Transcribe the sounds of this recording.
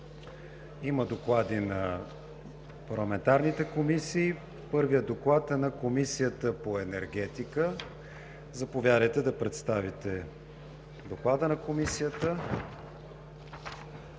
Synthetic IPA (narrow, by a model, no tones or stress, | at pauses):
iməd̪oklˠad̪inɐ | pɐɾlˠɐmɛnt̪aɾnit̪ɛkomisiː | pɤɾvijəd̪oklˠat̪ɛnɐkomisijət̪əpoɛnɛɾɡ̟ɛt̪ikə | zɐpovʲjaɾəjt̪ɛd̪ɐpɾɛt̪st̪avit̪ɛ | d̪oklˠad̪ənɐkomisijət̪ə